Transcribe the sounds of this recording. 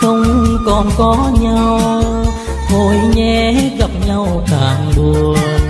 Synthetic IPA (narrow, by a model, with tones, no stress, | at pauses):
xə˧wŋ͡mkɔ˨˩nkɔ˨˦ɲa˧w | vo˧˩jɲɛ˧h̚ɣa˨˩p̚ɲa˧wt̪aː˨˩ŋɓu˨˩ə˩